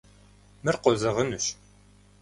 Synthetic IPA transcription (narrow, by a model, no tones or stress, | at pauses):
mɨrqɔzɐʁənuɕ